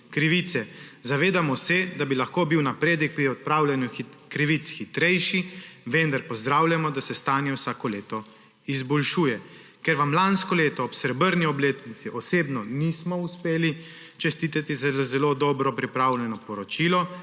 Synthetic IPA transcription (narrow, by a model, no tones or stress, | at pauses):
kɾiʋit̪sɛzaʋeːd̪amɔsɛd̪abilaxkoːbiwnapɾeːd̪ɛk̚pɾiɔt̪̚pɾaːwlʲjɛnukɾiʋit̪sxit̪ɾɛjʃiʋɛnd̪aɾpɔzd̪ɾaːwlʲjamɔd̪asɛst̪aːnjɛwsaːkɔleːt̪ɔ | izbɔlʃuːjɛ | kɛɾʋamlanskɔleːt̪ɔːpsɾɛbəɾniɔbleːt̪nit̪siʔɔseːbnɔnismɔuspeːli | t͡ʃɛst̪iːt̪at̪izaazɛlod̪ɔbɾɔpɾipɾawlʲjɛnɔpɔɾɔt͡ʃiːlɔ